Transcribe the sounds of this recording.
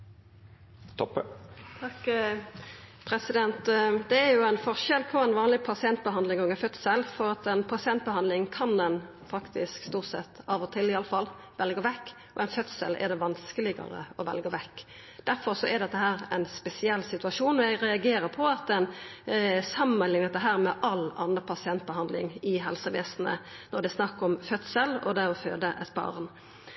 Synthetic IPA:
t̪ʰɔpːət̪ʰɑk | pʰɾɛsɪd̪ɛnt̪d̪ɛːɾjʊæɪnfɔʁʃɛlpʰɔɛnʋɑːnlɪpʰɑsɪɛnt̪̚bəɦɑnd̪lɪŋoŋɡəfœt̪səlfɔɾɑt̪ɛnpʰɑsɪɛnt̪̚bəhɑnd̪lɪŋkʰɑnd̪ɛn | fɑkt̪ɪskst̪uːʁt̪sɛ̰t̪ːɑːʋɔt̪ʰɪlːɪɑlːəfɑl | ʋɛlɡəʋɛkː | ɔ̰ʔɛɪnfœt̪sə̰lʔɛ̰d̪ɛʋɑnskəlɪɡə̰ɾə̰ɔʋɛ̰lɡəʋɛkː | d̪̥æɾfɔɾsɔʔɛd̪ɛt̪ːəɦæːɾɛ̰ɪnspɛsɪɛlːsɪt̪ʉɑʂuːnɔjæɡɾɛɑɡeːɾəɾpʰɔɑt̪ɛn | sɑmːənlɪŋnɛt̪ːəɦæːɾmɛʔɑlɑ̰nəpʰɑsɪɛnt̪̚bəhɑnd̪lɪ̰ŋɪɦɛlsəʋḛːsnə̰nɔɾd̪ɛsnɑkːɔmfœt̪səlɔ̰d̪ɛɔføːd̪əʔɛt̪bɑ̰ʁn

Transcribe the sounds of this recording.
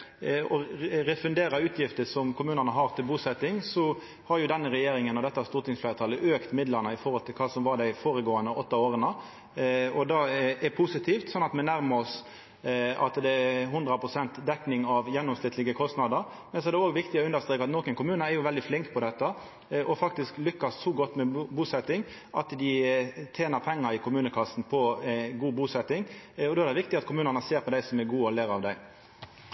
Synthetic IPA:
ɔɾɛfʉnd̪eːɾɑʉːt̪ʰjɪft̪əsɔmkʰʊmʉːnənəɦɑɾt̪ʰɪlbuːsɛt̪ːɪŋsɔ | hɑɾjʊd̪ɛnːəɾɛjeːɾɪŋənɔd̪ɛt̪ːəst̪uːt̪ʰɪŋsflæːɾt̪ʰɑːləʔøːkt̪mɪd̪ləɾnəɪfɔɾhɔlt̪ʰɪlkʰɑːsɔmʋɑɾd̪æɪfoːɾəɡoːənəʔɔt̪ːɑoːɾənə | ɔd̪ɑɛpʰʊsɪt̪ʰiːft̪sɔnːɑt̪mɛnæɾməɔs | ɑ̰t̪d̪ɛɛɦʊnd̪ɾɑpʰʁʊsɛnt̪d̪ɛknɪŋɑʋjɛnːɔmsɪt̪lɪɡəkʰɔst̪nɑd̪əɾ | mɛnsɔɛɾd̪ɛoːɡʋɪkt̪ɪɔʉnəst̪ɾeːkɑt̪noːkənkʊmʉːnəɛɾjʊʋɛld̪ɪflɪŋkpʰɔd̪ɛt̪ːə | ʔɔfɑkt̪ɪsklʏkːɑsːɔɡɔt̪ːmɛbuːsɛt̪ːɪŋ | ʔɑ̰t̪d̪ɪt̪ʰeːnəɾpʰɛŋːɑɾɪkʰʊmʉːnəkʰɑsnpʰɔɡuːbuːsɛt̪ːɪŋɔd̪oːɛɾd̪ɛʋɪkt̪ɪɑt̪kʰʊmʉːnənəseːɾpʰɔd̪æɪsɔmɛɾɡuːɔlæɾɑʋd̪æɪ

